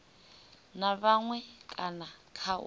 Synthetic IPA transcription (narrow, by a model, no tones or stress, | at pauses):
naβaŋwɛkʼanakʰa̰